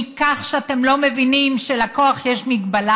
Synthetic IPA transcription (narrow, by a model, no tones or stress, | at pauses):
kaχʃeat̪e̞mlo̞me̞vinimʃelako̞aχjeʃmiɡbala